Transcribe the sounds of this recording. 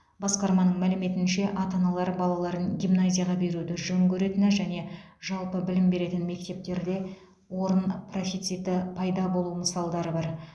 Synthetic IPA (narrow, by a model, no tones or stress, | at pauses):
bɑsqɑɾmɑnəɴmælɪme̞t̪ɪnʃe̞ʔɑt̪ɑnɑlˠɑɾbɑlˠɑlˠɑɾənɡʲijmnazʲijɑʁɑbe̞ɾud̪ɪʒɵŋkʲɵɾe̞t̪ɪnæʒæne̞ʒɑlˠpəbɪlɪmbe̞ɾe̞t̪ɪnme̞k̚t̪e̞p̚t̪e̞ɾd̪e̞ | wo̞ɾənpro̞fʲijt̪sijt̪əpʰɑjd̪ɑbo̞lˠuməsɑlˠd̪ɑɾəbɑɾ